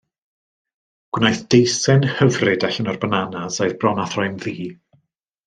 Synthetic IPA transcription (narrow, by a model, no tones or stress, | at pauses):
ɡ̥wnajθd̥ejsɛnhəvrɪdaɬənɔrbənanasajðbrɔnaθrɔjnðiː